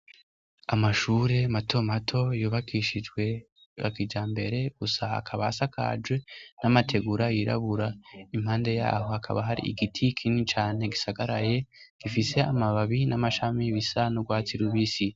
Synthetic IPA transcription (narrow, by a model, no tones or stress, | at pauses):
amaʃuːɾe̞matʰo̞matʰo̞juːβakʰiʃid͡ʒɡwe̞ | a̰kid͡ʒaːmbe̞ɾe̞ɡ̥usaa̰kʰaβasakʰa̰d͡ʒwe̞namatʰe̞ɡuɾajiɾa̰βuɾaimhaːnde̞ja̰ːho̞hakʰa̰βaɦaɾḭḭɡitʰikʰinit͡ʃaːne̞ɡisaɡaɾaje̞ | ɡ̥ifise̞amaβaβinamaʃamiβisanoɡwaːt͡siɾuβisi